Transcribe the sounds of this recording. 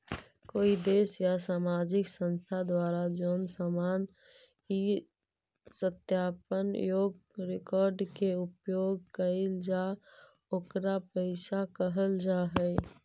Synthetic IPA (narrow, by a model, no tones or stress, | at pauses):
koːid̪eːsjasaːmaːd͡ʒɪksə̃nst̪ʰad̪waːɾad͡ʒoːnsaːmaːn | i | sət̪jaːpənjoːɡɾekɔːɾɖkeupjoɡ̚kəɪld͡ʒa | oːkɾapəɪsakəɦəld͡ʒaːɦɛ